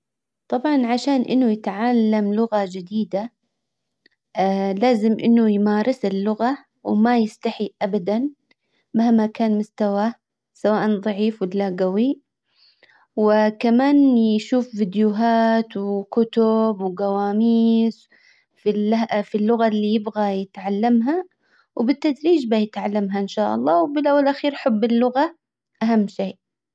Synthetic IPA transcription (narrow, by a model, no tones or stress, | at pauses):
t̪ˤɑbʕɑnʕaʃaːnʔɪ̰nːʊjɪt̪ʕalːamlʊɣad͡ʒɪd̪iːd̪a | laːzɪmʔɪ̰nːʊjmaːɾˤɪsɪlːʊɣa | wmajɪst̪aħiʔabad̪an | mahmːakaːnmʊst̪awa | sawaːʔanðˤɑʕiːfwɪlːaɡawi | wɪkamaːnjʃuːfvɪd̪jʊɦaːt̪wɪkʊt̪ʊbwɪɡawaːmiːs | filafilːʊɣalːijɪbɣajɪt̪ʕalːamɦa | wbɪt̪ːad̪ɾiːd͡ʒbajɪt̪ʕalːamɦaʔɪnʃaːʔɑ̰lˤːɑːwbɪlʔawalʔaxiːɾħʊbːɪlːʊɣa | ʔaɦamːʃeːʔ